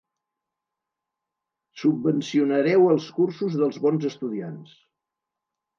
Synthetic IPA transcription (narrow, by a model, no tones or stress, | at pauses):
subːənsiunəɾɛwəlˠskursuzðəlˠzβɔnzəst̪uðians